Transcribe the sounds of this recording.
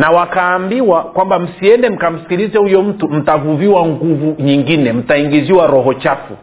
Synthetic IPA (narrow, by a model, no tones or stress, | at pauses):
nawakaːmbiwakwambam̩siɛndɛm̩kam̩si̥kilizɛhujɔm̩tum̩tavuviwaŋɡuvuɲiŋɡinɛm̩taiŋɡiziwaɾɔɦɔt͡ʃafṵ